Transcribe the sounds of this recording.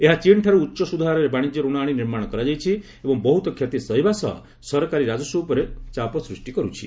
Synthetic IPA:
eɦat͡ʃiɳʈʰaɾuːtːʃɔsud̪ʱaɦaɾɔɾebaɽ̃id͡ʒjɔɾuɽ̃aːɽ̃iniɾmaɽ̃ɔkɔɾad͡ʒajt͡ʃʰi | ebɔŋbɔɦut̪ɔkʰjɔt̪isɔɦjbasɔɦɔ̰ | sɔɾɔkaɾiɾad͡ʒɔsuupɔɾet͡ʃapɔsɾusʈikɔɾut͡ʃʰḭ

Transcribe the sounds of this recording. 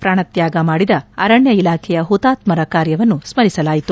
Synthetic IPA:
pɾaːɳɐt̪jaːɡɐmaːɽid̪ɐːɾɐɳjɐilaːkʰɛjɐɦut̪aːt̪mɐɾɐkaːɾjɐʋɐnːusmɐɾisɐlaːjit̪u

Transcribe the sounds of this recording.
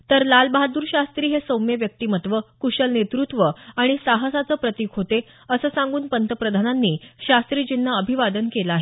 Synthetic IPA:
t̪əɾlalbaɦad̪uːɾɕast̪ɾiːɦesowmjeʋjək̚t̪iːmət̪ʋəkuɕəlnet̪ɾut̪ʋəaɽ̃isaɦəsat͡səːpɾət̪iːkʰɦot̪e | əsəːsãŋɡuːnpənt̪əpɾəd̪ʱananːiːɕast̪ɾiːd͡ʑinːaəbʱiʋad̪ənkelaaɦe

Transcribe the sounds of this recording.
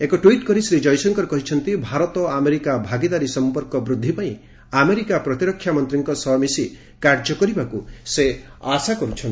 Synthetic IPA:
ekɔʈwiʈkɔɾisɾid͡ʒɔjsɔŋkɔɾɔkɔɦit͡ʃʰʌnt̪ibʱaɾɔt̪ɔameɾikabʱaɡid̪aɾisɔmpɔɾkɔbɾud̪ʱːipaĩ | ameɾikapɾɔt̪iɾɔkʰːjamɔnt̪ɾiŋkɔsɔɦmisi | kaɾd͡ʒɔkɔɾibakuseasakɔɾut͡ʃʰɔn

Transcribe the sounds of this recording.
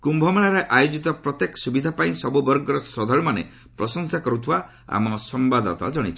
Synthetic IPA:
kumbʱɔmaɭaɾeʔajud͡ʒit̪ɔpɾɔt̪jekɔ̥subid̪ʱapaĩsɔbubɔɾɡɔɾɔsɾɔd̪ʱɔɭɔmanḛ | pɾɔsɔŋsakɔɾut̪ʰiba | a̰mɔsɔmbad̪a̰t̪a̰d͡ʒɔɽ̃it͡ʃʰi

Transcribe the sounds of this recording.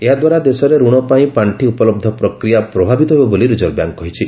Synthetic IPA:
eɦad̪waɾad̪esɔɾeɾuɽ̃ɔpaĩpaɳʈʰiupɔlɔb̚d̪ʱɔpɾɔkɾijapɾɔbʱabit̪ɔɦebɔboliɾud͡ʒɔɾbja̰ŋkɔɦit͡ʃʰi

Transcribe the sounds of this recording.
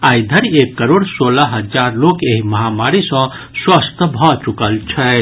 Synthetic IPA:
ajd̪ʱəɾiekːəɾoɽsoləɦəd͡ʒaɾlokeɦiməɦamaɾisə̃ | swəst̪ʰbʱɔt͡ʃukəlt͡ʃʰə

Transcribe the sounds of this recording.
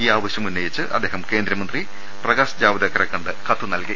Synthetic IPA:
iːaːʋɐɕjɐmunːɐjit͡ɕːɨʔɐ̰d̪ːeːɦɐmke̞ːnd̪ɾɐmɐnd̪ri | prɐɡaːsɐd͡ʑaːʋɐd̪ɐkːɐɾɐkːɐɳɖɨkɐt̪ːunɐlki

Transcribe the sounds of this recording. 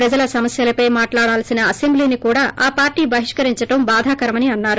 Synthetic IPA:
pɾɐd͡ʒɐlɐsɐmɐsjɐlɐpɐjmaːʈlaːɽaːlsinɐːse̞mbliːnikuːɽaːʔaːpaːɾʈiːbʱɐɦiʂkɐɾiɲt͡ʃɐʈɐmbaːd̪ʱaːkɐɾɐmɐniɐnːaːɾu

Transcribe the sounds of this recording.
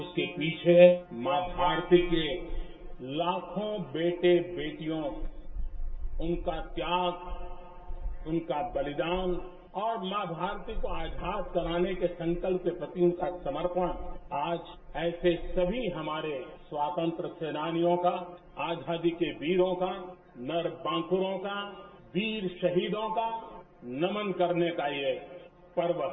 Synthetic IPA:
ʊskepiːt͡ʃʰemaːbʱaːɾt̪ike | laːkʰõbeːʈebeːʈijõ | ʊnkat̪jaːɡ | ʊnkabɐlɪd̪aːn | ɔːɾmaːbʱaːɾt̪ikoaːd͡ʒʱaːd̪kɐɾaːnekesɐ̃ŋkəlpkepɾɐt̪iʊ̃nkasɐməɾpəɽaːd͡ʒ | ɛːsesɐbʱiɦɐmaːɾeswaːt̪ə̃nt̪ɾəseːnaːnijõka | aːd͡ʒʱaːd̪ikebiːɾõka | nɐɾbãːkʊɾõka | biːɾʃɐɦiːd̪õka | nɐmənkɐɾnekaie | pəɾʋə

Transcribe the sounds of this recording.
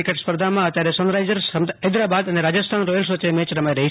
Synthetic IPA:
ikəʈspəɾd̪ʱamãət̪jaɾesənɾajd͡ʒəɾsəmd̪əd̪ɾabad̪əneɾad͡ʒəst̪ʰanɾojəls̬ʋət͡ʃemɛ̃t͡ʃɾɐmajɾɐɦi

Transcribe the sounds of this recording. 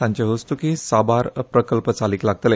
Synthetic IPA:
ãɲt͡ɕeɦəst̪ukisabaɾpɾəkəlpət͡saliːklaɡ̚t̪le

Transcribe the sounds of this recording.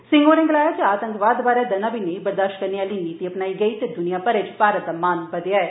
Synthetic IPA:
sɪ̃ŋɡoːɾɪ̃ŋɡlaːjat͡ʃeaːt̪ə̃ŋkʋaːd̪baːɾaːd̪ɐnãːʋinebəɾd̪aːʃʈkəɾneaːliːniːt̪iɐpnaːiɡəiːt̪ed̪ʊnijaːpəɾet͡ʃpaːɾət̪̚d̪aːmaːnbəd̪eaːɛː

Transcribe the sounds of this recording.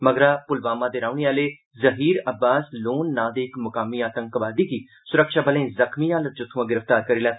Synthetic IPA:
məɡɾaːpʊlʋaːmãːd̪eːɾaːʊɳiaːleː | zəɦiːɾəbːaːsloːnːaːd̪eːɪkmʊkaːmiːaːt̪ə̃ŋkʋaːd̪iːɡiː | sʊɾəkʃaːbəlẽːzəkʰmiaːləd͡ʒʊt̪ʰːuãːɡɪɾəfʰt̪aːɾkəɾiːlaː

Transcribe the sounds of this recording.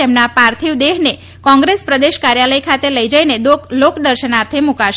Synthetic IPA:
emnapaɾt̪ʰiʋd̪eɦne | kɔ̃ŋɡɾespɾəd̪eʃkaɾjaləjkʰat̪eləid͡ʒəined̪oklokd̪əɾʃənaɾt̪ʰemukaʃ

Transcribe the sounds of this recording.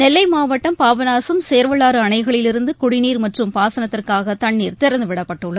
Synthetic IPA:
nɛlːɐɪmaːʋɐʈːɐmpaːʋɐnaːsɯmseːɾʋɐɭaːɾɯɐɳɐɪɣɐɭɪlɪɾɯnd̪ɯkʊɽɪniːɾmɐʈrɯmpaːsɐnɐt̪ːɪrkaːɣɐt̪ɐɳːiːɾt̪ɪɾɐnd̪ɯʋɪɽɐpːɐʈːɯɭːɐð

